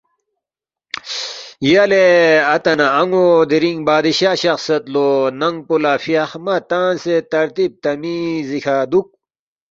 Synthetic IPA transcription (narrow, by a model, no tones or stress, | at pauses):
jaleɐt̪ɐnaɐŋod̪iɾiŋbaːd̪iɕaːɕɐxsɐt̪lonɐŋɡ̚pulafiɐxmɐt̪aːnset̪ɐɾt̪ib̚t̪ɐmizikʰad̪uk̚